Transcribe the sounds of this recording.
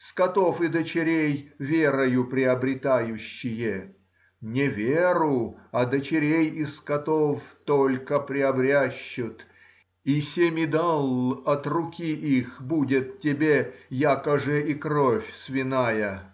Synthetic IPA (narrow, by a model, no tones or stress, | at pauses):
skɐt̪ofɪd̪ət͡ɕɪɾʲejvʲeɾəjʊpɾʲɪɐbɾʲɪt̪ajʉɕːɪjə | nʲɪvʲeɾʊɐd̪ət͡ɕɪɾʲejɪskɐt̪oft̪olʲkəpɾʲɪɐbɾʲaɕːʊt̪ | isʲemʲɪd̪alˠɐt̪rʊkʲiʔixbudʲɪt̪tʲːɪbʲejakəʐɨʔikɾofʲsvʲɪnajə